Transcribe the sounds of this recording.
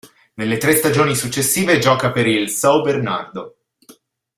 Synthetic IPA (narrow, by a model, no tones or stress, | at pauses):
nelːet̪ɾest̪ad͡ʒoːnisut͡ʃːesːiːved͡ʒɔːkapeɾilsɔwberna̰rd̪o